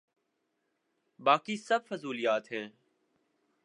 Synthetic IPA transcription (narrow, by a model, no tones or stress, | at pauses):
baːkiːsəb̚fəzuːlɪjaːt̪ɦeː